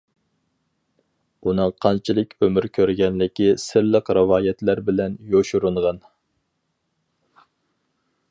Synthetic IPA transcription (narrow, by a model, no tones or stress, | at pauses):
unɨŋqʰɑnt͡ʃʰilˠɨkʲømɪɾkʲʰøɾɡʲɛnlɪkʲisɪɾlˠəqɾɨwɑːjɛt̪læɾbɪlɛnjoʃuɾuɴʁɑn